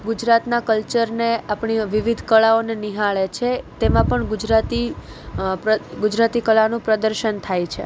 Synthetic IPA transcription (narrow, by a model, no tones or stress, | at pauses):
ɡud͡ʒɾat̪nakəlt͡ʃəɾneapɳiʋiʋid̪ʱkəɭaoneniɦaɭet͡ʃʰet̪emãpəɳɡud͡ʒɾat̪i | ɡʊd͡ʒɾat̪ikəɭanũpɾəd̪əɾʃənt̪ʰajt͡ʃʰḛ